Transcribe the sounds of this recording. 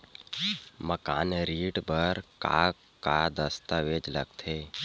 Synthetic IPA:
məka̰ːnɾiːɖbəɾka̰ | kad̪əst̪aʋeːd͡ʒlə̰ɡt̪ʰe

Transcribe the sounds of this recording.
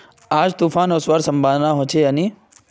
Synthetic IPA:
aːd͡ʒt̪uːfaːnɔːsʋaɾsə̃mbãd̪naɦoːt͡ʃʰeaniː

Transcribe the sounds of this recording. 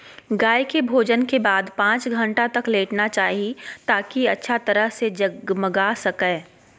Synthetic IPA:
ɡaːjkebʱoːd͡ʒənkebaːd̪pãːt͡ʃɡʱɐ̃ɳʈat̪ɐkleːʈnat͡ʃaːɦiit̪aːkiɐtːʃʰat̪ɐɾəɦsed͡ʒɐɡməɡasɐkeː

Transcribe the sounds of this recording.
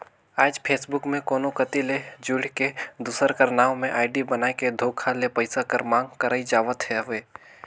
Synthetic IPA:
aːd͡ʒpʰeːsbʊkmẽkoːnokət̪iled͡ʒʊɽ̤ked̪uːsəɾkɐɾnaːõmẽʔaːɪɖibənaːeked̪ʱoːkʰalepəɪsakəɾmãːŋɡkəɾaːid͡ʒaːʋət̪ɦɛʋeː

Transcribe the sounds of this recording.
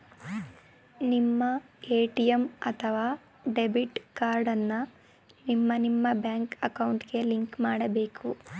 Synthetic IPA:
nimːɐeːʈijemɐt̪ʰɐʋaː | ɖebiʈkaːɾɖɐnːɐ | nimːɐnimːɐbjaːŋkɐkɐwɳʈɡe̞liŋkmaːɽɐbe̞ːku

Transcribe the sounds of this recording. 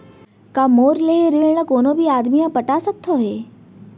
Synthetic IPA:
kaːmoːɾleeɾɪɭɽəkoːnõːbʱiaːd̪mijãpɐʈasək̚t̪ʰoɦeː

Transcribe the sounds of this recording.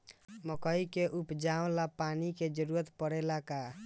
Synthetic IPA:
məkəikeʔupd͡ʒaõlapaniked͡ʒəɾuɾət̪pəɽɛlaka

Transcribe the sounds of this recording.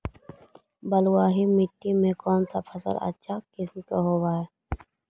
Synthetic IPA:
bəlwaːɦimɪʈːimẽkɔːnsa̰pʰɐsə̰lə̰tːʃʰakɪsmt̪oɦoːwaːe

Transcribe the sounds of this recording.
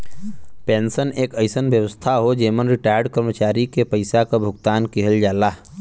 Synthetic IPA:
peːnsəneːkəɪsənʋjəʋəst̪ʰaɦod͡ʒeːmənɾɪʈaːjəɾɖkəɾmət͡ʃaːɾikepəɪsakabʱʊɡt̪aːnkiɦəld͡ʒaːlaː

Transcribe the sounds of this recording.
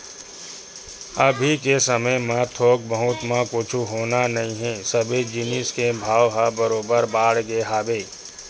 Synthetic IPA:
əbʱikesəməjmãt̪ʰoːk̚bəɦʊt̪mãkʊt͡ʃʰuɦoːnanɐɦĩɦɛsəbed͡ʒɪnɪskebʱaːʋɦabəɾoːbəɾbaːɽɡeːɦaːbeː

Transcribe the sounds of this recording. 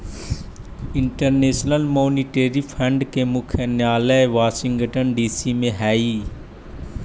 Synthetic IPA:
ɪ̃ɳʈəɾneːʃnəlmoːniʈeːɾipʰə̃ɳɖkemʊkʰənjaːləʋaːsɪ̃ŋɡəʈənɖiːsimẽɦɛːiː

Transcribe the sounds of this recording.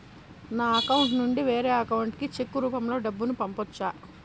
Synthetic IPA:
naːɐkɐwuɳʈnuɳɖiʋeːɾɛːɐkɐwuɳʈkit͡ʃekːuɾuːpɐmlo̞ːɖɐbːunupɐmpɔt͡ʃːaː

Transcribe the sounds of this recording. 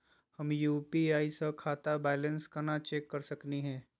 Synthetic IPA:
hɐmjuːpiaːisɐkʰaːt̪abɛːlə̃nskɐnat͡ʃeːkːɐɾsɐkniɦɛ̃ː

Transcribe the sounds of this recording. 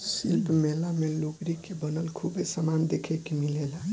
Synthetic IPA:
silpmelameloɡɾikebənəlkʰubesəmand̪ekʰɛkemilela

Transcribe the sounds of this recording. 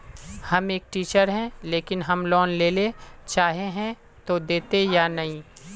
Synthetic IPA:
hɐmeːk̚ʈiːt͡ʃəɾɦɛ̃leːkɪnɦɐmlɔːnleːlet͡ʃaːɦeɦɛ̃ | t̪od̪eːt̪ejanɐɦĩː

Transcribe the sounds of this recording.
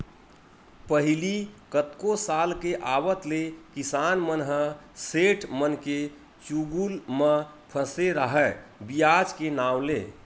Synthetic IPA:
pəɦilikət̪kosalkeʔawət̪lekisanmənɦəseʈʰmənke | t͡ʃuɡulmə | pʰəseɾəɦɛbijad͡ʒkenaːwle

